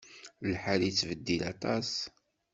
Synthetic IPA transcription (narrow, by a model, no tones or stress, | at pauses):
lħalit͡sːvəd̪ːilɑt̪ˤɑs